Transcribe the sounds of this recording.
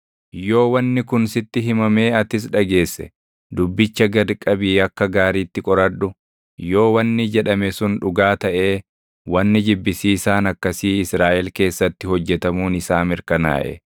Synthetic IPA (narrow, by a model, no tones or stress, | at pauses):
jo̞ːwɐnːɪkʊnsɪt̪ːɪɦɪmɐme̞ːɐt̪ɪs̬ᶑɐɡe̞ːsːɛ̰ | d̪ʊbːɪt͡ʃːɐɡɐd̪kʼːɐbiːɐkːɐɡaːɾiːt̪ːɪkʼɔɾɐᶑʊ | jo̞ːwɐnːɪd͡ʒɛᶑɐmɛsʊnᶑʊɡaːt̪ɐʔe̞ː | wɐnːɪd͡ʒɪbːɪsiːsaːnɐkːɐsiːɪsɾaːʔɛlke̞ːsːɐt̪ːɪhɔd͡ʒːɛt̪ɐmuːnɪsaːmɪɾkɐna̰ːʔɛ̰